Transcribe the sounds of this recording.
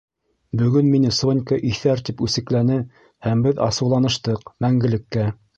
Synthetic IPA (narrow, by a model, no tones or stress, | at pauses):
bɵ̆ɡɵnminɘsonʲkəʔiθæɾt̪ipʉsɘ̆klænɘ | hæmbɘðɑ̰sɤ̆wlˠɑnɤ̆ʃt̪ɤqmæŋɡɘ̆lɘ̆kːæ